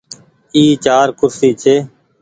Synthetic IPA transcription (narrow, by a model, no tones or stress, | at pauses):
iːt͡ʃaːɾkʊɾsiːt͡ʃʰeː